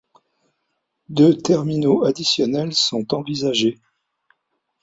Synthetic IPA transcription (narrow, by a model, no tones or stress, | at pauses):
d̪øt̪ɛʁminoad̪isjɔnɛlsɔ̃t̪ɑ̃vizaʒe